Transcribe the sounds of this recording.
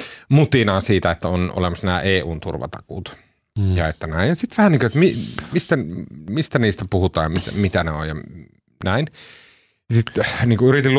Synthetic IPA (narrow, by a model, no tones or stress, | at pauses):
mut̪inɑːnsiːt̪æet̪ːæonʔo̰lemɑsnæːʔeːuːnt̪urʋɑ̰t̪ɑkṵːt̪ | jɑet̪ːænæˑijjɑsit̪ʋæhæniːŋkøjet̪mimist̪ænmist̪æniːst̪æpuhut̪ɑ̰ːmit̪æmit̪æneo̰jjɑ | næin | jsit̪niːŋkuyɾit̪ilː